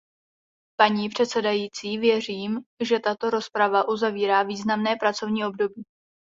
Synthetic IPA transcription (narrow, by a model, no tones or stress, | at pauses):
paɲiːpr̝̥ɛt̪sɛdajiːt͡siːvjɛr̝iːmʒɛt̪at̪o̞ɾo̞spɾavaʔuzaviːɾaːviːznamnɛːpɾat͡so̞vɲiːʔo̞b̚do̞biː